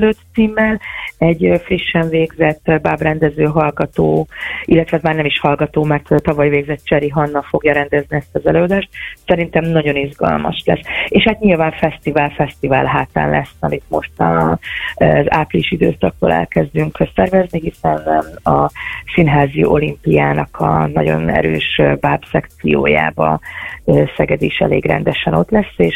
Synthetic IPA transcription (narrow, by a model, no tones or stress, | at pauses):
løːt̪siːmːɛlɛɟfriʃːɛɱveːɡzɛt̪ːbabrɛnd̪ɛzøːɦɒlɡɒt̪oːilːɛt̪ʋɛɛzmaːrnɛmiʃhɒlɡɒt̪oːmɛrt̪t̪ɒvɒjveːɡzɛt̪̚ːt͡ʃɛɾiɦɒnːɒfo̞ɡjɒɾɛnd̪ɛzniɛst̪ɒzɛløːɒd̪aːʃt̪̚sɛɾint̪ɛmnɒɟo̞nizɡɒ̰lmɒ̰ʃlɛ̰seːʃhaːt̪ɲilvaːɱfɛst̪ivaːlfɛst̪ivaːlɦaːt̪a̰ːnlʔɛ̰sːɒ̰mit̪mo̞̰ʃt̪ɒ | za̰pliʃid̪øːsɒk̚t̪o̰ːlʔɛ̰lkɛzd̪yŋksɛrvɛzniɦisɛnɒsinɦaːzijʔo̞limpijaːnɒkʰɒ̰nɒɟo̞̰nɛ̰ɾø̰ːʃbabsɛkt̪sijo̰ːja̰ːbɒ̰ | sɛɡɛd̪iːʃɛ̰leːɡrɛ̰nd̪ɛʃɛno̞t̪lɛsːeːʃ